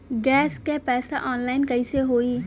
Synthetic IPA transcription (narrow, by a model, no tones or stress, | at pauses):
ɡɛːskepɛːsaʔɔːnlaːɪnkɐiseɦoːiː